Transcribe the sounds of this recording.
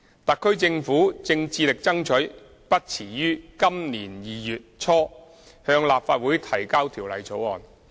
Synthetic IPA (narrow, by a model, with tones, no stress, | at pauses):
t̪ɐ˨kʰːɵ˥ɥt͡sɪ˧ŋfuː˨˥t͡sɪ˧ŋt͡siː˧lɪ˨k̚t͡sɐ˥ŋt͡ʃʰɵ˨˥ɥ | pɐ˥t̚t͡sʰiː˨˩jyː˥kɐ˥mniː˨˩njiː˨˩jyː˨t̚t͡sʰɔː˥ | hœː˧ŋlaː˨p̚faː˧t̚wuː˨˥jt̪ʰɐ˨˩jkaː˥wt̪ʰiː˨˩wlɐ̰˨˩jt͡sʰo˨˥wɔː˨n